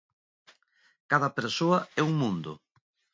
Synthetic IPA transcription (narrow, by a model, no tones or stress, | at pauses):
kaðɐpeɾsoɐɛuŋmũnd̪ʊ̰